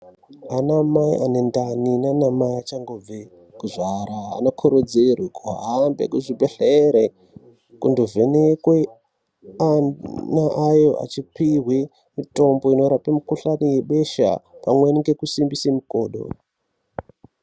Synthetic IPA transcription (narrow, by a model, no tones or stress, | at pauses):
anamaḭʔane̞ndaninanamaiat͡ʃaŋɡob͡ve | kuʐaɾa̰ːnokʰoɾod͡zerwikuɦambḛkuʐibʱeɬeɾe | kundovʱenekwe | anaʔajo̞ʔa̰t͡ʃipiɦwi | mito̞mbo̞ino̞ɾapemukuɬanijeɓe̞ʃa̰pamweniŋɡe̞kusimbisemuko̞ːɗo̰